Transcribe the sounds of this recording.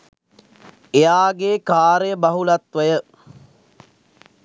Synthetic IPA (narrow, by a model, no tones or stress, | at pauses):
ejaːɡeːkaːɾəjəbaɦulat̪ʋəjə